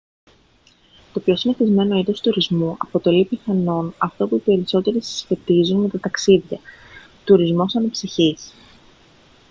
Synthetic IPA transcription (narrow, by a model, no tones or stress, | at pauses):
t̪o̞pço̞sineθizme̞no̞iðo̞st̪uɾizmuʔɐpo̞t̪o̞lipiθɐno̞nɐft̪opuipe̞ɾiso̞t̪e̞ɾisi̥sfe̞t̪izunme̞t̪ɐt̪ɐksiðʝɐ | t̪uɾizmo̞sɐnɐpsiçis